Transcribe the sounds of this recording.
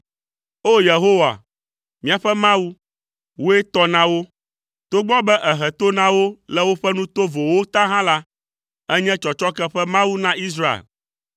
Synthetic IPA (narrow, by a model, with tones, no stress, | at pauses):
o˦je˨ɦo˦wa̰˨ | mĩ˦a˨ɸɛ˦mã˦wu˦ | wo˦e˦t̪ɔ˦nã˦wo˦ | t̪o˦ɡ͡bɔ̃˦bɛ˦ʔɛ˨ɦɛ˨t̪o˦nã˦wo˦lɛ˦wo˦ɸɛ˦nũ˦t̪o˦vo˨wo˦t̪ã˦ɦã˦la˦ | ɛ˦ɲɛ̃˦t͡ʃɔ˨t͡ʃɔ˦kɛ˦ɸɛ˦mã˦wu˦nã˦i˦s̬ɾa˦ḛ˨l